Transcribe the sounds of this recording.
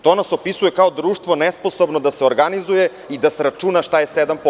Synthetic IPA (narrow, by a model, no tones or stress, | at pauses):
t̪o̞naso̞pisujekaod̪ɾuːʃt̪ʋonespo̞so̞bnod̪aseoɾɡanizuje | id̪asɾat͡ʃunaʃt̪ajesed̪ampo